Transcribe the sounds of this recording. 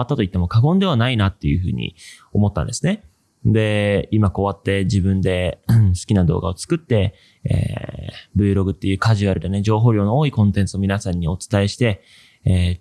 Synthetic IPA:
at̪ːat̪o̞it̪ːemo̞kaɡõ̞nd̪e̞anainat̪ːe̞jɯ̟ɸɯ̟̰ːɲ̟ḭomo̞t̪ːã̰nd̪e̞sɨne̞ | d̪e̞imako̞βat̪ːe̞d͡ʑibɯ̟̃nd̪e̞sɨ̥kʲinad̪o̞̰ːɡa̰o̞t͡sɨ̥kɯ̟t̪ːe̞ | ḛːbɯ̟ːɾo̞ɡɯ̟t̪ːe̞jɯ̟ːkaʑɨβaɾɯ̟d̪ened͡ʑo̞ːɦo̞ːɾʲo̞ːnooːikõ̞nt̪ẽ̞nt͡sɨomʲinasãɲ̟ːio̞t͡sɨ̥t̪ae̞ɕi̥t̪e̞ | eː

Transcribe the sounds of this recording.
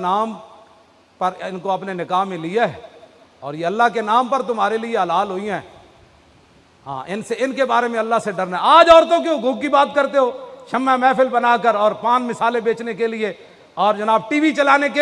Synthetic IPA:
naːm | pəɾɪnkoɐpnenɪkaːɦmẽlɪaɛɔ̰ːɾjeɐlːaɦkenaːmpəɾt̪ʊmaːɾelieɐlaːlɦoːiɛː | ɦã̰ːʔɪnseɪnkebaːɾemẽɐlːaseɖɐɾnaɦɛaːd͡ʒɔːɾt̪̬õk̬eʊɡʱũkibaːt̪kəɾt̪eɦoːʃəmːɛmɛːpʰɪlbənaːkəɾɔːɾpãːnmɪsaːlebeːt͡ʃnekelɪe | ɔːɾd͡ʒɐnaːb̚ʈiːʋit͡ʃɐlaːneke

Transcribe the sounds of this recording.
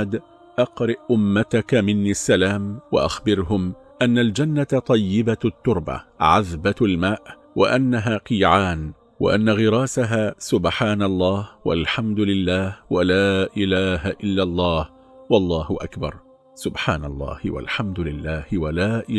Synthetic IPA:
ad̪ | ʔɑqɾɪʔʔʊmːat̪akamɪnːisːalaːmwa̰ʔa̰xbɪɾɦʊm | ʔanːald͡ʒanːat̪ˤːɑjːɪbat̪ːʊɾˤba̰ʕaðbalmaːʔ | wa̰ʔanːaɦaːqiːʕaːn | wa̰ʔanːaɣɪɾˤɑːsaɦaːsʊbħaːnɑlˤːɑːhwa̰lħamd̪ʊlɪlːaːhwalaːʔɪlaːɦaʔɪlːalˤːɑːh | wɑlˤːɑːhʊʔa̰kbɑ̰ɾˤ | sʊbħaːnɑlˤːɑ̰ːhwa̰lħamd̪ʊlɪlːaːhɪwalaːʔɪ

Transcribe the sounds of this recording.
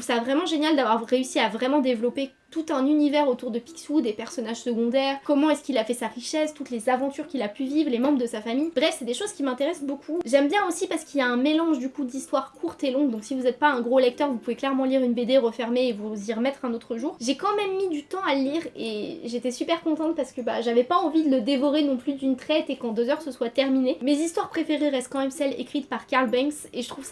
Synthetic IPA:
ufsavʁɛmɑ̃ʒenjald̪avwaʁʁːeysiavʁɛmɑ̃d̪evlɔpe | t̪ut̪ɛ̃nynivɛʁot̪uʁd̪əpi̥ksud̪epɛʁsɔnaʒsəɡɔ̃d̪ɛːʁkɔmɑ̃ɛskilafɛsaʁiʃɛst̪ut̪lezavɑ̃t̪yʁkʲilapyvivʁlemɑ̃bʁd̪əsafamijbʁɛfsɛd̪eʃoz̥kʲimɛ̃t̪eʁɛsbokʰuʒɛmbjɛ̃osipaʁsə̥kiljaɛ̃melɑ̃ʒd̪ykud̪ist̪waʁkʰuʁt̪elɔ̃ɡd̪ɔ̃ksivuzɛt̪̚paɛ̃ɡʁolɛk̚t̪œʁvupuveklɛʁmɑ̃liʁynbed̪eʁəfɛʁmeːvuziʁəmɛt̪χɛ̃not̪χəʒuːʁʒekɑ̃mɛmːid̪yt̪ɑ̃aləliʁeʒet̪ɛsypɛʁkɔ̃t̪ɑ̃t̪̚paʁsə̥kəba̰ʒavɛpaɑ̃vid̪ələd̪evɔʁenɔ̃plyd̪ynt̪χɛt̪ekɑ̃d̪øzœʁsəswat̪ɛʁminemezist̪waʁpχefeʁeʁɛst̪̚kɑ̃mɛmsɛlḛkχit̪paʁkaʁlbɛ̃ŋkseʒət̪χuvsa

